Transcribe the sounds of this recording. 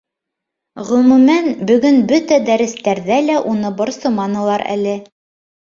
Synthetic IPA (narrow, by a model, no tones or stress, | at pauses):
ʁɵ̆mʉmænbɵ̆ɡɵnbɵt̪æd̪æɾɘ̆st̪æɾðælæʔunɤbŏɾsɤ̆mɑnɤ̆lˠɑɾæ̰lɘ